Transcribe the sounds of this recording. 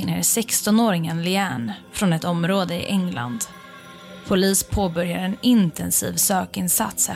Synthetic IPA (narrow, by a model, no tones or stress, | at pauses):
nḛːɾsɛkst̪ɔnoːɾɪŋənlɪæːɳfɾɔnɛt̪ɔmɾoːd̪əɪ̰ʔɛŋla̰nd̪ | pʰʊliːspʰoːbœɾjaɾɛnɪnt̪ɛnsḭːvsøːkɪnsa̰t̪s